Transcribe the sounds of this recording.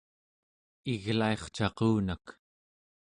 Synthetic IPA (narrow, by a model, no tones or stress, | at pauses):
iɣlae̞χt͡ʃɑquːnak